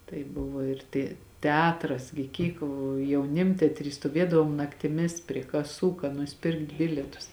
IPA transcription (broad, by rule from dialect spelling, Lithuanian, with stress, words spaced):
tɐɪ ˈbʊʋoː ɪr ˈtʲɛ tʲɛˈɑːtrɐs ɡʲɪ ˈkʲiːk jɛʊˈnʲɪmʲtʲɛtʲrʲiː stuɔˈʋʲiɛdɐʋoːm nɐktʲɪˈmʲɪs pʲrʲiɛ kɐˈsuː kɐ nʊsʲɪˈpʲɪrkt ˈbʲɪlʲiɛtʊs